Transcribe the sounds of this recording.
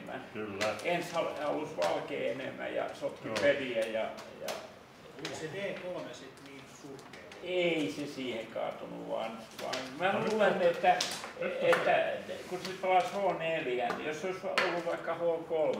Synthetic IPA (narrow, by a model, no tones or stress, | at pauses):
mæ̰nkylːenshɑhɑ̰lusʋɑlkḛːenḛmːˑæ̰jɑ̰sot̪ːiperiæjɑjɑ̰ | seʋeːkolmesit̪niːnsukeeisesiːheŋkɑ̰ːt̪onṵʋɑ̰ːnʋɑ̰ːŋmæluːlenːet̪ːæ | et̪ːækusit̪pɑlɑshoneljænnḭjosseoisolːuʋʋɑikːɑhookolm